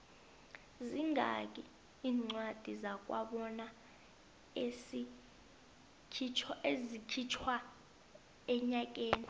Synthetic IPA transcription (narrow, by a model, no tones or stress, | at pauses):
ziŋak̬ʼi | iːŋ͡ǀwad̥ʱizak̬ʼwa̰ɓɔna | esi | kʰit͡ʃʰezikʰit͡ʃʰwa | ɛɲak̬ʼeːni